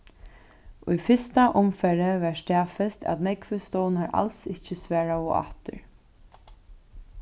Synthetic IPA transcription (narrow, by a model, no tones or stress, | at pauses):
ʊjfɪst̪aʔʊmfɛɾɪvɛʂt̪aːfɪlt̪ʰæ̰t̪nɛkvʏst̪ɔːwnaɹa̰lsɪht͡ʃɪsvɛːɹaʊʔa̰ht̪ʏ̰ɹ